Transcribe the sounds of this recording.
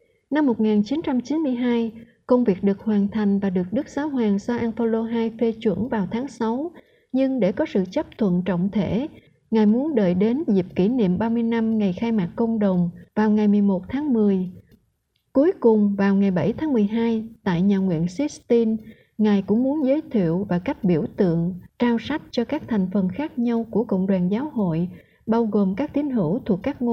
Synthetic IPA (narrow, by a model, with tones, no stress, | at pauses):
na˧mːo˨˩t̚ŋaː˨˩nt͡ɕi˨˦nt͡ɕa˧mt͡ɕi˨˦nmɨ˧əjɦaː˧j | kə˧wŋ͡mvi˨˩ək̚ɗɨ˨˩ək̚hwaː˨˩nt̪ʰa˨˩jŋ̟vaː˨˩ɗɨ˨˩ək̚ɗɨ˦˥k̚z̥aː˨˦wɦwaː˨˩ŋsaː˧ʔaː˧nfo˧lo˧ɦaː˧jfe˧t͡ɕwə̰˧˩nvaː˨˩wt̪ʰaː˨˦ŋsa˨˦w | ɲɨ˧ŋɗe˧˩kɔ˨˦sɨ̰˧˨t͡ɕə˦˥p̚t̪ʰwə̰˧˨nt͡ɕɔ̰˧˨wŋ͡mt̪ʰe˧˩ | ŋaː˨˩jmu˨˦ənɗəː˧˨jɗe˨˦nzi˨˩p̚ki˧˩nḭ˧˨əmɓaː˧mɨ˧əjna˧mŋa˨˩jxaː˧jmaː˨˩k̚kːə˧wŋ͡mɗə˨˩wŋ͡mvaː˨˩wŋa˨˩jmɨ˨˩əjmo˨˩t̚t̪ʰaː˨˦ŋmɨ˨˩əj | ku˨˦əjkʊ˨˩ŋ͡mvaː˨˩wŋa˨˩jɓə˧˩jt̪ʰaː˨˦ŋmɨ˨˩əjɦaː˧jt̪a̰ː˧˨jɲaː˨˩ŋwḭ˧˨ənsi˦˥st̪i˧n | ŋaː˨˩jkʊ̰˧˥ŋ͡mmu˨˦ənzəː˨˦jt̪ʰḭ˧˨əwvaː˨˩ka˦˥jk̟̚ɓi˧˩əwt̪ɨ̰˧˨əŋt͡ɕaː˧wsa˦˥jk̚t͡ɕɔ˧kaː˦˥k̚t̪ʰa˨˩jŋ̟fə˨˩nxaː˦˥k̚ɲa˧wku˧˩əkə̰˧˨wŋ͡mɗwaː˨˩nzaː˨˦who̰˧˨j | ɓaː˧wɣo˨˩mkaː˦˥k̚t̪i˨˦ənɦɨ̰˧˩wt̪ʰu˨˩əkːaː˦˥k̚ŋo˧